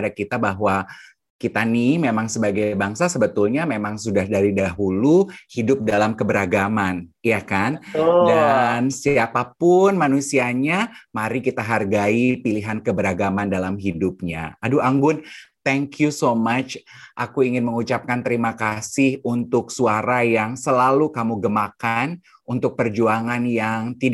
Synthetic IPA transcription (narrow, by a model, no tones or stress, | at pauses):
dakit̪abaɦwa | kit̪animemaŋsəbaɡajbaŋsasəbət̪ulɲamemaŋsudahdaɾidaɦuluhidʊp̚dalamkəbəɾaɡamanjakandansiapapʊnmanusiaɲamaɾikit̪aɦarɡaipiliɦankəbəɾaɡamandalamɦidup̚ɲa̰aduʔaŋɡʊnt̪ɛŋkjusomat͡ʃ | ʔakuiŋɪnməŋut͡ʃap̚kant̪əɾimakasɪhunt̪ʊksuaɾajaŋsəlalukamuɡəmakan | unt̪ʊk̚pərd͡ʒuaŋanjaŋt̪i